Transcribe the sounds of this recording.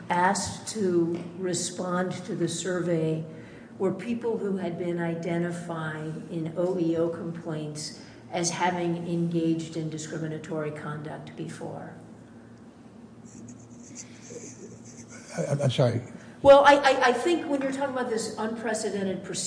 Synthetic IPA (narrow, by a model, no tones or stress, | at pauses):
æstʰɨɹɨspɑ̃ntʰɨðɨsɜ˞veɪ | wə˞pʰipl̩ˠhuɨd̚bɪ̃naɪdɛ̃ɾ̃ɨfaɪɪ̃ŋɪ̃noʊʔioʊkʰə̃m̩pʰl̥ẽɪ̃nts | ɨz̥hævɪ̃ŋɨ̃nɡeɪd͡ʒdɨ̃ndɨskɹɪ̃mɨnɨtʰɔɹikʰɑ̃ndɨk̚t̚b̥ɨfɔ̰ɹ | ãʃɔɹ̰ | wɛlˠaɪʔaɪʔaɪθɪ̃ŋkwə̃njə˞tʰɔkɪ̃ŋəbaʊt̪̚ðɪsə̃npʰɹ̥ɛsɨɾɛ̃ɾ̃ɨd̚pʰɹ̥ɨs